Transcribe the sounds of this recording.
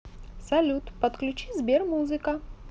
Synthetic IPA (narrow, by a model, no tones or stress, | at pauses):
sɐlʲut̪pɐt̪klʲut͡ɕizʲbʲermuzɨkɐ